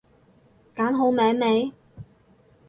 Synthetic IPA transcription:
kaː˨˥nɦo˨˥wmɛː˨˥ŋme˨˧j

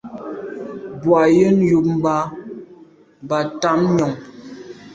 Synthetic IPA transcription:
bwa˨jə˦n˦ju˨p̚m̩˦ba˦˨ | ba˨ta˦mɲɔ˨ŋ

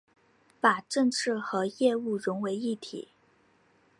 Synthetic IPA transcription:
pa˨˩ʈ͡ʂɤ˥˧ŋʈ͡ʂʰɻ̩˥˩xɤ˧˥jɛ˥˧u˥˩ɻʊ˧˥ŋwe˧˥ɪi˥˩t̪ʰḭ˨˩˦

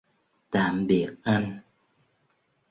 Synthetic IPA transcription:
t̪aː˧˨˩mɓi˨˩ək̚ʔa˧jŋ

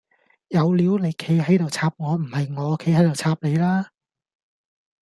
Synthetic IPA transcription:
jɐ˨˧wliː˨˧˥wne˨˧jkʰe˨˧jɦɐ˨˥jt̪o˨wt͡sʰaː˧p̚ŋɔː˨˧m̩˨˩hɐ˨jŋɔː˨˧kʰe˨˧˥hɐ˨˥jt̪o˨wt͡sʰaː˧p̚ne˨˧jlaː˥

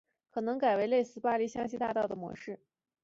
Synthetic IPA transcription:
kʰɤ˨˩nɤ˧˥ŋka˨˩ɪwe˧˥ɪle˥˧ɪsɹ̩˥˧pa˥li˥˩ɕjɑ˥ŋɕi˥t̪a˥˧t̪ɑ˥˩ʊd̪ə˩mwɔ̰˧˥ʂɻ̩˥˩

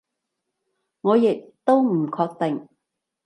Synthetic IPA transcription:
ŋɔː˨˧jɪ˨k̚t̪o˥wm̩˨˩kʰɔː˧k̚t̪ɪ˨ŋ

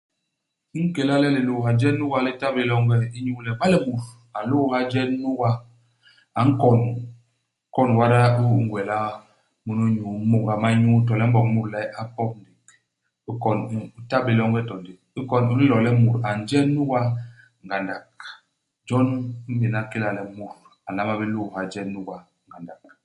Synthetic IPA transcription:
ŋ̩˦ke˨la˦lɛ˦li˨lo˨ha˨d͡ʒɛ˦nːu˦wa˦li˦ta˦bi˨lɔ˦ŋɡɛ˦i˦ɲu˦lɛ˨ɓa˦lɛ˦mu˨ɾ | a˨lo˦˨ha˦d͡ʒɛ˦nu˦wa˦ | a˨ŋ̩˦kɔ˨n˦ | kɔ˦˨nwa˦ɾa˦u˦˨ŋ˨ɡwɛ˨la˦ | mu˨nu˦ɲu˨˦mu˨ŋɡa˨ma˦ɲu˦tɔ˨lɛ˦m̩˦bɔ˨k̚mu˦˨ɾlɛ˦a˦pɔ˦p̚n̩˦di˨k | i˦kɔ˨n˨u˦ta˦be˨lɔ˦ŋɡɛ˦tɔ˨ndi˨k̚i˦kɔ˨nu˦i˦lɔ˨lɛ˦mu˨ɾa˨n˨d͡ʒɛ˦nːu˦wa˦ | ŋ˨ɡa˨nda˨k̚ | d͡ʒɔ˦n̩˦be˨na˦ki˦la˨lɛ˨mu˨ɾ | a˨la˦ma˦bi˦lu˦˨ha˨d͡ʒɛ˦nːu˦ɡa˨ | ŋ˨ɡa˨nda˨k̚

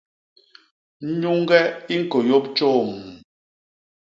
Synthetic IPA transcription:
n̩˦ɲu˦ŋ˦ɡɛ˦i˦ŋ̩˨ko˨jo˦p̚t͡ʃoː˦˨m˨

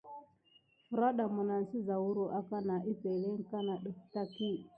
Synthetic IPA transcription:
fu˨ɾa˦ɗa˨mu˨na˨n̩˨si˦za˨wu˦ɾo˨ʔa˦ka˦na˨ʔi˦pɛ˨le˦ŋ˦ka˦na˨ɗu˨fta˦ki˦ŋ

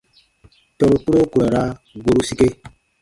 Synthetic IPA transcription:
tɔ˨ɾo˨ku˦ɾo˦ku˨ɾa˨ɾa˦ | ɡo˦ɾu˦si˦ke˦

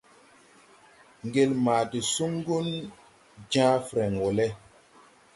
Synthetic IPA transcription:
ŋɡe˨lmaː˨ti˨su˦ŋ˦ɡu˦n | d͡ʒãː˦fɾɛ˨ŋwɔ˨lɛ˦

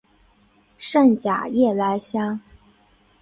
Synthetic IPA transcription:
ʂə˥˩nt͡ɕja̰˨˩jɛ˥˩la˧˥ɪɕja˥ŋ

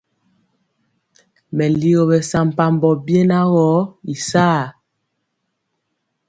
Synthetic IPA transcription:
mɛ˨li˦ɣo˨bɛ˨sa˨m̩˨pa˨mbɔ˨bje˦na˦ɣɔ˨˦i˨saː˦˨

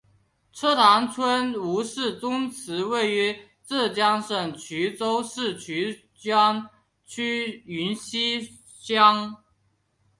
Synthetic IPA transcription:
ʈ͡ʂʰɤ˥t̪ʰa˧˥ŋt͡sʰwə˥nu˧˥ʂɻ̩˥˩t͡sʊ˥ŋt͡sʰɹ̩˨˧˥we˥˩ɪy˧˥ | t͡sɹ̩˥˩t͡ɕjɑ˥ŋʂə˨˩ŋt͡ɕʰy˧˥t͡so˥ʊʂɻ̩˥˩t͡ɕʰy˧˥ | t͡ɕʰy˥y˧˥nɕi˥ | t͡ɕjɑ˥ŋ

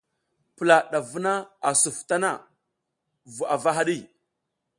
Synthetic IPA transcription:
pə˨la˨ɗa˨vu˦na˦a˨su˨fta˦na̰˦˨ | vu˨a˨va˦ɦa˦ɗi˦˨

